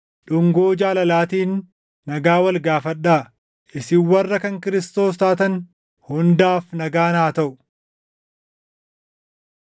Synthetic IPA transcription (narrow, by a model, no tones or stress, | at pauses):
ᶑʊŋɡoːd͡ʒaːlɐlaːt̪iːnː | ɐɡaːwɐlɡaːfɐᶑaː | ʔɪsɪwːɐrːɐkɐŋkɪɾɪst̪o̞ːst̪aːt̪ɐn | hʊnd̪aːfnɐɡaːnaːt̪ɐʔʊ